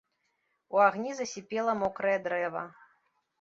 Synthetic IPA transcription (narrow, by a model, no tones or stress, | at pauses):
uaɣnʲizɐsʲipʲɛlˠɐmɔkɾɐjɛd̪ɾɛvɐ̰